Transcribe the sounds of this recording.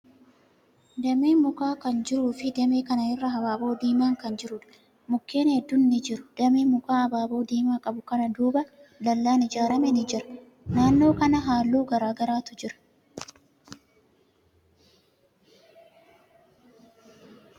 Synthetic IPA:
d̪ɐmeːmʊkaːkɐnd͡ʒɪɾuːfɪd̪ɐmeːkɐnɐhɪrːɐɦɐbaːbo̞ːd̪iːmaːŋkɐnd͡ʒɪɾʊᶑɐ̥ | mʊkːeːnhɛd̪ːʊnːɪd͡ʒɪɾʊ̥d̪̥ɐmeːmʊkaːɐbaːbo̞ːd̪iːmaːkʼɐbʊkɐnɐd̪uːbɐ | lɐlːaːnɪd͡ʒaːɾɐmɛnɪd͡ʒɪɾɐ̥ | naːnːo̞ːkɐnɐɦaːlːuːɡɐɾaːɡɐɾaːt̪ʊd͡ʒɪɾɐ̥

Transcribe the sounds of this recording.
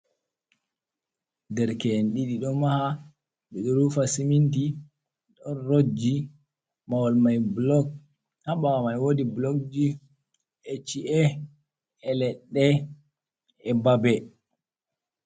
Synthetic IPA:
dɛɾkɛnɗiɗiɗɔmaha | ɓɛɗɔɾufasiminti | ɗɔnɾod͡ʒi | mawɔlmajblɔk̚ | haɓawamajwodiblɔk̚d͡ʒi | ɛt͡ʃiʔɛ | ɛlɛɗːɛ | ɛbabɛ

